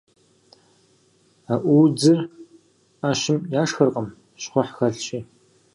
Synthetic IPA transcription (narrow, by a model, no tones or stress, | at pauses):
aːʔʷuːd͡zɨr | aːʃɪmjaːʂxɐrqəm | ɕχʷʊħxɐɬt͡ʃʼiː